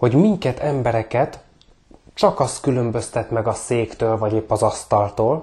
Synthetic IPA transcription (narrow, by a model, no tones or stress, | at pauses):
ho̞ɟmiŋkɛt̪ɛmbɛɾɛkɛt̪ | t͡ʃɒkɒst̪kylø̞mbø̞st̪ɛt̪mɛɡɒseːkt̪øːlvɒɟeːpːɒzɒst̪ɒlt̪oːl